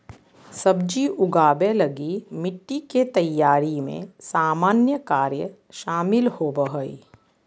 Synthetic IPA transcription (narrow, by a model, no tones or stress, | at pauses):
sɐbd͡ʒiʔʊɡaːbelɐɡimɪʈːiket̪ɐjːaːɾimḛ̃saːmaːnjəkaːɾjə | ʃaːmɪlhoːbəɦoːḭ